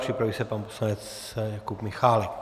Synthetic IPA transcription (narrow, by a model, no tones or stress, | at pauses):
pr̥ɪpɾaviːsɛpanposlanɛt͡s | jakupmɪxaːlɛk